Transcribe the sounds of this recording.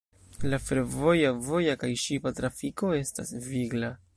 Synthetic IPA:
lafe̞ɾvo̞javo̞jakajʃipatɾafiko̞e̞sta̰sviɡla

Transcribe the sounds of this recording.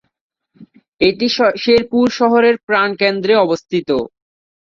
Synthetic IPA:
eʈiʃeɾpuɾʃɔɦoɾeɾpɾankend̪ɾeɔbost̪ʰit̪o

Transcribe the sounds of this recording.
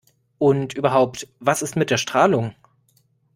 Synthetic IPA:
ʔʊntʔyːbɐɦaʊptv̥asɪstmɪt̚d̥eːɐʃtʁ̥aːlʊŋ

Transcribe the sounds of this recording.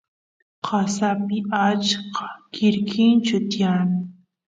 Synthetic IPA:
qʰɑsapɪat͡ʃqɑ̥kɪɾkʰɪnt͡ʃʊt̪ɪjanɪ

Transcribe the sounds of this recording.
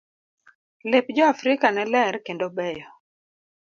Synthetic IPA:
lepd͡ʒɔafɾɪkanɛlɛɾkendobɛjɔ

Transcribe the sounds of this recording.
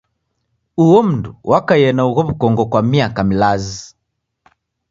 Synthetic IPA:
uwɔm̩nduwʔakajɛnauɣɔβukɔŋɡɔkwamiakamilazi

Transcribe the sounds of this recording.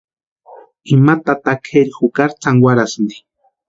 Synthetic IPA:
imat̪at̪akʰeɾixukaɾt͡saŋwaɾasnd̪i̥

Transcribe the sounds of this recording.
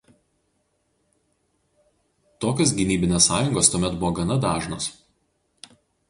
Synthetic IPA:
t̪oːkʲoːs̬ɡʲɪnʲiːbʲɪnʲeːsːɑːjʊŋɡoːst̪uɔmʲɛt̪bʊʋoːɡɐnɐd̪ɑːʒno̰ːs

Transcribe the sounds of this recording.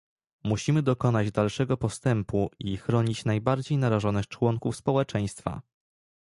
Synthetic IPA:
muɕimɘd̪ɔkɔnad͡ʑd̪alʂɛɡɔpɔst̪ɛmpuixɾɔɲit͡ɕnajbaɾd͡ʑejnaɾaʐɔnɛt͡ʂwɔŋkufspɔwɛt͡ʂɛj̃st̪fa̰

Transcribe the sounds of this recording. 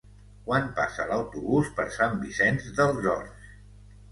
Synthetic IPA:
kwanpa̰sələwt̪uβuspəɾsambisɛnzðəlˠzɔɾs

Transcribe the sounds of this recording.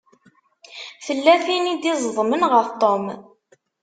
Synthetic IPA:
θəlːæθinid̪izˤðˤmənʁəft̪ˤom

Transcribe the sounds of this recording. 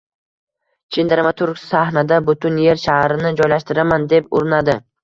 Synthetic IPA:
t͡ʃʰend̪aɾmat̪ʰʊɾɡsahnad̪abʊt̪ʰʊnje̞ɾʃahɾɪnɪd͡ʒɒjlaʃt̪ɪɾamand̪e̞pʊɾɪnad̪ɪ

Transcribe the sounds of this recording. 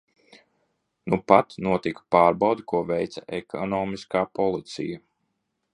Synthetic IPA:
nupat̪nuɔt̪ikpaːɾbawd̪kuɔvɛjt̪saʔekʰɔnɔːmiskaːpɔlˠit̪sḭja

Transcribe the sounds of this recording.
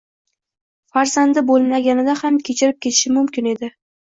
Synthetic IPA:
faɾzand̪ɪbolˠlaɡʲanɪd̪ahamkʲʰe̞t͡ʃʰɪɾɪp̚kʲe̞t̪ʰɪ̥ʃɪmʊmkʲɪne̞d̪ɪ

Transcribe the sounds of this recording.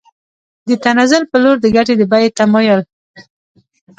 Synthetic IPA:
d̪ət̪anazʊlpəloɾd̪əɡaʈ̬ed̪əbajet̪amɔjʊl

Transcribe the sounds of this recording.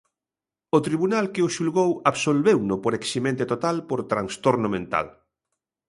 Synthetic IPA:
ʊt̪ɾiβunalkɪʊʃulɣowaβsolβewnʊpoɾeksimẽnt̪et̪ot̪alpoɾt̪ɾaŋst̪oɾnʊmẽnt̪a̰l

